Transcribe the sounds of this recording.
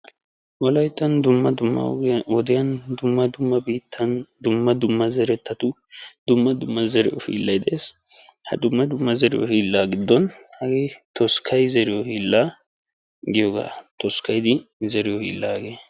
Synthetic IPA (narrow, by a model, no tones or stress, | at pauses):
wɔlɐjt̪ːɐnd̪ʊmːɐd̪ʊmːɐ̰wɔd̪ɪjɐnd̪ʊmːɐd̪ʊmːɐbiːt̪ʰːɐnd̪ʊmːɐd̪ʊmːɐzɛɾɛt̪ʰːɐt̪ʊ | d̪ʊmːɐd̪ʊmːɐzɛɾɛ̰ʔʊfḭːlːɐjd̪ɛʔeːshɐ̰d̪ʊmːɐd̪ʊmːɐzɛɾɪ̰ʔɔ̰fiːlːaːɡɪd̪ːɔnhɐɡeːt̪ɔskʰɐjzɛɾɪjɔhiːlːaː | ɡɪjɔɡa̰ːt̪ɔskɐjd̪ɪzɛɾɪjɔhḭːlːaːɡeː